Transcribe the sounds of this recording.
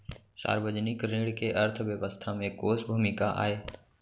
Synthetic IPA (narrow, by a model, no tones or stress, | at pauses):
sa̰ːɾʋəd͡ʒənɪkɾẽːɽkeʔɐɾt̪ʰəʋjəʋəst̪ʰamẽkoːsbʱumɪkaʔa̰ːeː